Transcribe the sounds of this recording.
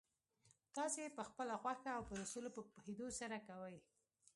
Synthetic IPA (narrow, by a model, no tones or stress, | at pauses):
t̪ɑsepəxpəlaɣwaxaːwpəd̪əsulopəpuhed̪osaɾakawəj